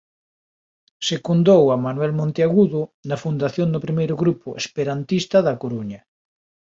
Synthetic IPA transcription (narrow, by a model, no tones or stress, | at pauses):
sekund̪owamanwɛlmõnt̪eaɣuðʊnɐfund̪aθjond̪ʊpɾimejɾʊɣɾupʊʔespeɾant̪ist̪ɐðɐkoɾuɲɐ